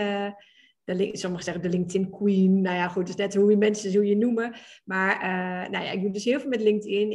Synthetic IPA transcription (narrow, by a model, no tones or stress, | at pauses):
d̥əlɪŋsɔməɣəsɛxdəlɪŋk̚tɪnkʰwiːnːojaxut̚ɪsnɛthuimɛnsəzulˠjənuməmaɹənoja̰ɪkjudøshɪəlˠvlˠmɛtlɪŋk̚tʰɪən